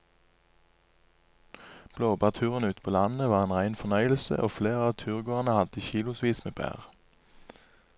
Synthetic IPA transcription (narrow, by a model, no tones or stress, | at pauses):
b̥loːbæːʁt̪ʰʉːʁənʉːt̪pʰoːlɑnəʋɑːʁeːnʁæɪnfɔnœʏəl̩sə̰ʔoːfleːʁəɑːt̪ʰʉːʁɡoːʁɑnəhɑd̪içiːlʊsʋiːsmeːbæ̰ːʁ